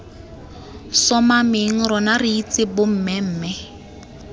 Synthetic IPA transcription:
sɔmamɪŋ̩rɔnariit͡sɪbʊm̩ːmɛm̩ːmɛ

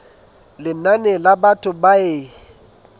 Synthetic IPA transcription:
lɪnanɛlabatʰʊbaeː

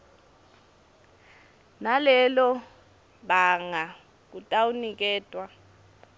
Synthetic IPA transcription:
nalɛlɔ | ɓaŋa | k̬utʼawunik̬ʼɛːtʼwa

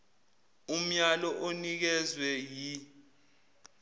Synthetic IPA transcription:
um̩ɲalɔʔonik̬ɛzwɛji

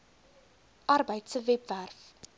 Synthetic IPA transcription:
ʔɐrbəjtsəvɛpværf

